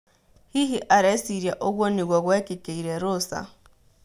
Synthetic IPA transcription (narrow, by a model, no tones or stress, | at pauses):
hiɦiʔaɾesiɾjaʔoɡwoniɡwaɡwekekeiɾeɾʊsa̰